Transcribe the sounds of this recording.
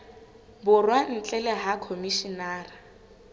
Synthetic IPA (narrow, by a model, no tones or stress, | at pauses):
bʊrwan̩t͡ɬʼɛlɛɦakʰomiʃinaːra